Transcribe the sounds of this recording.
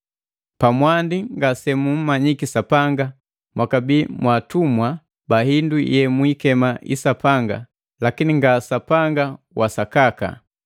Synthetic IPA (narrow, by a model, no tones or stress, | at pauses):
pamwandiŋɡasɛmum̩maɲikisapaŋɡa | mwakabimwatumwa | bahindujɛmwikɛmaʔḭsapaŋɡa̰ | lakiniŋɡasapaŋɡa | wʔasakaka̰